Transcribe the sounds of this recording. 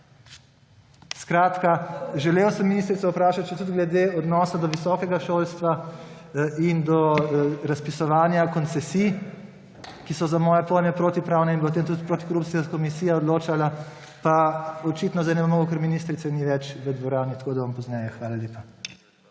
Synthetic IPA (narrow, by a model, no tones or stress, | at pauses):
skɾaːt̪kaʒɛleːwsəmːiniːst̪ɾit̪sɔupɾaːʃat̪̚t͡ʃɛt̪ud̪ɡlɛd̪eɔd̪nɔːsad̪ɔʋisɔːkɛɡaʃoːlst̪ʋa | ind̪ɔɾaspisɔʋaːnjakɔnt̪sɛsij | kisɔzamɔːjɛpojnjɛpɾoːt̪ipɾaːwnɛinbpot̪eːmt̪ut̪pɾoːt̪i̥kɔɾup̪siakomisijaɔd̪loːt͡ʃala | paɔt͡ʃiːt̪nɔzajnɛpmoːɡokɛɾminist̪ɾit̪sɛniʋɛt͡ʃʋəd̪ʋɔɾaːnit̪akoːd̪ɐʋampɔznɛjɛxʋaːlaleːpa